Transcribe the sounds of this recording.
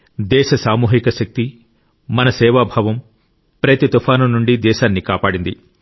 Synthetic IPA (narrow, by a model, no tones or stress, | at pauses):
d̪ɛːʃɐsaːmuːɦikɐʃɐk̚t̪i | mɐnɐsɛːʋaːbʱɐʋɐm | pɾɐt̪it̪upʰaːnɐmnuɳɖid̪ɛːʃaːnːikaːpaːɽind̪i